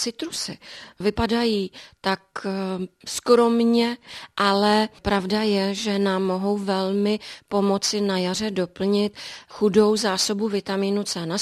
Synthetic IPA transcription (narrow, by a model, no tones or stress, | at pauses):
t͡sɪt̪ɾusɪ̰vɪpadajiːt̪ak | skɾo̞mɲɛʔalɛpɾavdajɛʒɛnaːmːo̞ɦo̞wvɛlmɪpo̞mo̞t͡sɪnajar̝ɛdo̞pl̩ɲɪt̪xudo̞wzaːsobuvɪt̪amiːnut͡sɛːna